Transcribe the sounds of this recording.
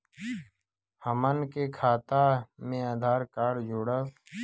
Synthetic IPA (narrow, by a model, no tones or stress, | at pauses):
həmənkeːkʰaːt̪aːmẽːaːd̪ʱaːɾkaːɽd͡ʒʱoːɽəs